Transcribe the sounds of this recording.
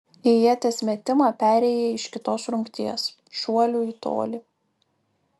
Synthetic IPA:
ejiɛt̪ʲeːsʲmʲɛt̪ʲɪmɑːpʲæːɾʲɛːjɛɪʃkʲɪt̪oːsɾʊŋʲkt̪ʲiɛs | ʃuɔlʲuiːt̪o̰ːlʲi

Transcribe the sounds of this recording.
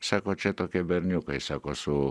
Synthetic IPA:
sakot͡ʃet̪okebeɾnukoisakosu

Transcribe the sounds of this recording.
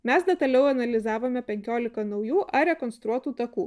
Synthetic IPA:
mʲɛsd̪ʲɛt̪ɐlʲɛʊɐnɐlʲɪzɑːʋoːmʲɛpʲɛŋʲkʲoːlʲɪkɐnɒʊjuːʔɐɾʲɛkɔnst̪ɾuɔt̪uːt̪ɐkuː

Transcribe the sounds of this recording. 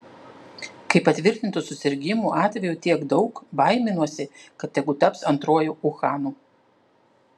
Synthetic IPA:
kɐɪpɐt̪ʲʋʲɪɾʲt̪ʲɪnt̪usʊsʲɪɾʲɡʲɪmuːʔɑːt̪ʲʋʲɛjuːt̪ʲiɛɡd̪ɒʊkbɐɪmʲɪnuɔsʲɪkɐt̪jʲɛɡʊt̪ɐpsɐnt̪ɾuɔjuːʔʊxɑːnuː

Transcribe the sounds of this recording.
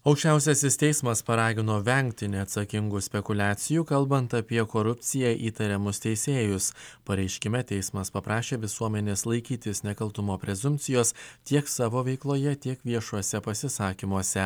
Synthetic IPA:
ɐʊkʃʲt͡ʃʲæˑʊsʲɛsʲɪst̪ʲɛɪsmɐspɐɾɑːɡʲɪnoːʋʲɛŋʲkt̪ʲɪnʲɛɐt̪sɐkʲɪŋɡʊsʲpʲɛkʊlʲæːt̪sʲɪjuːkɐlˠbɐnt̪ɐpʲiɛkoːɾʊpʲt̪sʲɪjɛʔiːt̪ɐɾʲɛmʊst̪ʲɛɪsʲeːjʊspɐɾʲɛɪʃʲkʲɪmʲɛt̪ʲɛɪsmɐspɐpɾɑːʃʲeːʋʲɪsuɔmʲɛnʲeːslˠɐɪkʲiːt̪ʲɪsnʲɛkɐlˠt̪ʊmoːpʲɾʲɛzʊmʲt̪sʲɪjoːst̪ʲiɛksɑːʋoːʋʲɛɪklˠoːjɛt̪ʲiɛkʋʲiɛʃuɔsʲɛpɐsʲɪsɑːkʲimuɔsʲɛ

